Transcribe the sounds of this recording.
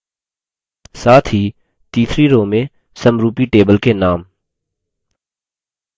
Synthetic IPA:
saːt̪ʰɦi | t̪iːt̪ʰɾiɾoːmẽ | sɐmɾuːpiʈeːbəlkenaːm

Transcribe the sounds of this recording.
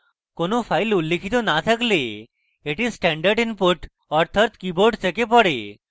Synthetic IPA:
konopʰajlulːekʰit̪onat̪ʰakle | eʈisʈɛɳɖəɾɖinpoɾʈ | ɔɾt̪ʰat̪kiboɾɖt̪ʰekepɔɽe

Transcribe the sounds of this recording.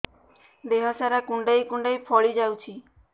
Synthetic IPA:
d̪eɦɔsaɾakũɳɖajkuɳɖajpʰɔɭid͡ʒawt͡ʃʰi

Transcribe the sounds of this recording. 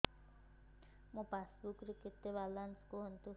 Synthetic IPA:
mũpasbukɾikit̪ːebalanskuɦɔnt̪u

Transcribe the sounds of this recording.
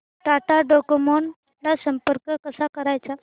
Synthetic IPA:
ɖaʈaɖokumɔɳ | lasəmpəɾkəkəsakəɾajt͡sa

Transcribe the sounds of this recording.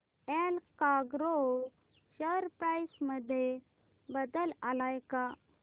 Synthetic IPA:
elkaɡɾo | ɕəɾpɾajsməd̪ʱːje | bəd̪əlalajka

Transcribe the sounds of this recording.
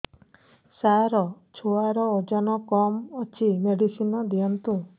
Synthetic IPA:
saɾɔ | t͡ʃʰoaɾɔod͡ʒɔnɔkɔmɔt͡ʃʰimeɽisinɔd̪iɔnt̪u

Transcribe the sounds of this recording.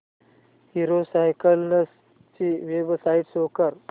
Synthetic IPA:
hiɾosajkəlnəs | t͡ɕiʋebsaiʈsokəɾ

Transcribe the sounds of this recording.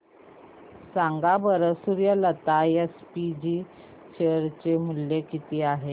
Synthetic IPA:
saŋɡabəɾəsuɾjələt̪ajespid͡ʑiː | ɕeɾt͡ɕemuljekit̪iːaɦe

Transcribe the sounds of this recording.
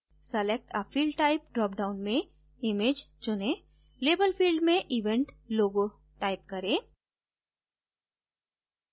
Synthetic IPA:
sɛlek̚ʈafʰiːlɖʈaːɪp̚ɖɾɔːp̚ɖaʊnmẽ | ɪmeːd͡ʒt͡ʃʊnẽ | leːbəlfiːlɖmẽʔɪʋɛ̃ɳʈloːɡo | ʈaːɪp̚kɐɾẽː

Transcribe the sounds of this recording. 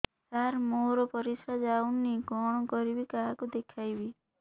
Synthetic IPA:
saɾmoɾɔpɔɾisad͡ʒaunːiɡɔɽ̃ɔkɔɾibikaɦakud̪ekʰajbi

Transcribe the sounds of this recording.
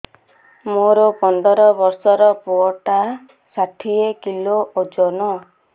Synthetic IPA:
moɾɔpɔnd̪ʱɔɾɔbɔɾsɔɾɔpuɔʈa | saʈʰiekiloʔod͡ʒɔnɔ

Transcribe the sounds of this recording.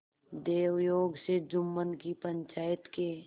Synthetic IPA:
d̪eːwjoːɡsed͡ʒʊmːənkipə̃ɲt͡ʃaːjət̪ke

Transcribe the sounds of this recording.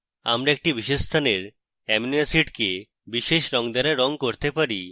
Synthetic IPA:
a̰mɾaek̚ʈibiʃed͡ʒst̪ʰaneɾ | ɛminiasiʈke | biʃeʃɾɔŋd̪aɾaɾɔŋkoɾt̪epaɾi

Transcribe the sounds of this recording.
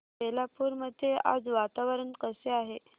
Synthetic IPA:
pelapuːɾməd̪ʱːjeʔa̰d͡zʋat̪aʋəɾənkəseaɦe

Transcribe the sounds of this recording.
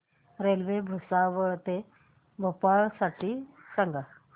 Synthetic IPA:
ɾelʋebʱusaʋət̪e | bʱopaɭsaʈʰi | səŋɡa

